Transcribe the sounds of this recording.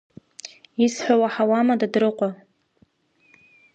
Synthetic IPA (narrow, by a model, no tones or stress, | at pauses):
isħʷawaħawamadadɾɨqʷʼa